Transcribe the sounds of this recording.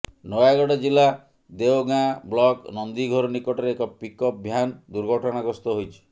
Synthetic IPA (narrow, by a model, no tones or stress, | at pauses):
nɔjaɡɔɽɔd͡ʒila | d̪eoɡãblɔknɔnd̪iɡʱɔɾɔnikɔʈɔɾeːkɔpikɔpbʱjand̪uɾɡʱɔʈʰɔñaɡɔst̪ɔɦojt͡ʃʰi̥